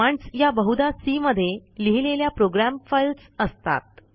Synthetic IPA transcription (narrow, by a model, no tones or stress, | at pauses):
aɳɖsjabəɦud̪asiməd̪ʱːjeliɦileljapɾoɡɾæmfajlsəst̪a̰t̪̚